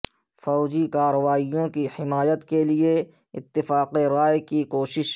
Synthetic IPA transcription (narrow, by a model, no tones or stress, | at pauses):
fɔːd͡ʒikaːɾəʋaːijõkihɪmaːjət̪kelie | ɪ̰t̪ːɪfaːqeɾaːjkikoːʃɪʃ